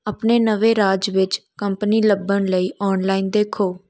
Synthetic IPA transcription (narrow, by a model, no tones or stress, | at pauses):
əpneːnəʋeːɾaːd͡ʒʋɪt͡ʃkəmpniːləbːəɳləiːʔɔːnlaːiːnd̪eːkʰoː